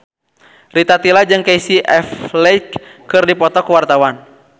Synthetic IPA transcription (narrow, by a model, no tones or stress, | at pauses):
rit̪at̪ilad͡ʒɨŋkaisiʔɛflɛjkːɨrdipɔt̪ɔkuwart̪awan